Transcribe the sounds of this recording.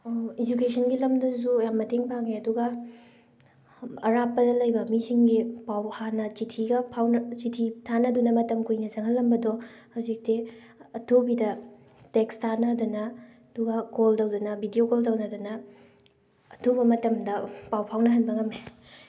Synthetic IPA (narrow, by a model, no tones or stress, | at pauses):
id͡ʒukesʰɐnɡilɐmdɐzujamːɐtʰeŋpʰaŋeɐduɡɐ | ɐɾapːɐdɐlɐjbɐmisiŋɡipawhanɐt͡ʃitʰiɡɐpʰawnɐt͡ʃitʰitʰanɐdunɐmɐtɐmkujnɐzɐŋɦɐlːɐmbɐdɔhɐwzik̚teɐtʰobidɐ | tekstʰanɐdunɐɐduɡɐkoldɐwdɐnɐbʱidiokolt̬ɐwnɐdunɐ | tʰobɐmɐtɐmdɐpawpʰawnɐɦɐnbɐŋɐme